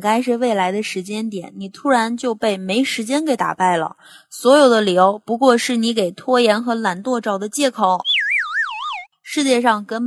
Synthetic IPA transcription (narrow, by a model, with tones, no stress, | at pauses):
ka˥ɪʂɻ̩˥˧we˥˩ɪla˧˥ɪd̪ə˧ʂɻ̩˧˥t͡ɕjɛ˥nt̪jɛ˨˩˦nni˨˩t̪ʰu˥ɻa˧˥nt͡ɕjo˥˧ʊpe˥˩ɪme˧˥ɪʂɻ̩˧˥t͡ɕjɛ˥nke˧˥ɪt̪a̰˨˩pa˥˩ɪlə̰˩ | swɔ˧˥jo˨˩ʊd̪ə˦ljo˧˥ʊpu˧˥kwɔ˥˧ʂɻ̩˥˩ni˧˥ke˨˩ɪt̪ʰwɔ˥jɛ˧˥nxɤ˧˥la˧˥nt̪wɔ˥˧ʈ͡ʂɑ˨˩ʊd̪ə˦t͡ɕjɛ˥˩kʰo˨˩˦ʊ | ʂɻ̩˥˧t͡ɕjɛ˥˧ʂɑ˥˩ŋkə˥n